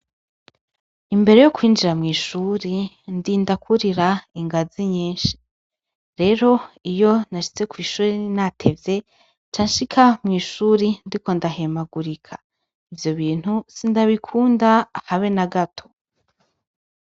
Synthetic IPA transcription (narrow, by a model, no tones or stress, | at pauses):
imbe̞ɾe̞jo̞kwiːnd͡ʒiɾamŋiːʃuɾi | ndiːndakʰuɾiɾaiŋɡaziɲiːnʃi̥ | ɾe̞ɾo̞ijo̞naʃi̥t͡se̞kwiːʃuːɾinatʰe̞vje̞ | t͡ʃaːɲʃikʰamŋiːʃuɾindiko̞ndaɦe̞maɡuɾikʰḁ | ivjo̞βiːn̥husindaβikʰuːndaːhaβe̞naɡatʰo̞̥